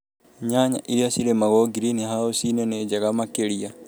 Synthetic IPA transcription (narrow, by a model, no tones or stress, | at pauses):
ɲaɲa̰ʔiɾiasiɾemaɣoɡiɾinihaosinened͡ʒaɣamakeɾia